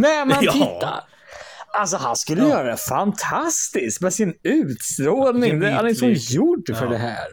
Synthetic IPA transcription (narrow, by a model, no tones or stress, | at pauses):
nɛmɛnt̪ːa̰ɾ | als̬ɔɦa̰nskɵlːəjœːɾad̪ɛfant̪ʰast̪ɪskmɛsɪnʉ̟ːt̪st̪ɾoːlnɪŋd̪ɛa̰d̪ɪt̪ʊmjʊɖːfœɖɛɦæ̰ːɾ